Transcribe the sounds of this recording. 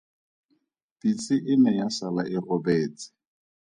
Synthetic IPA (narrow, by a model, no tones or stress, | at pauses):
pit͡sʼɪʔɪnɛjasalaʔɪrɔbɛːt͡sɪ̥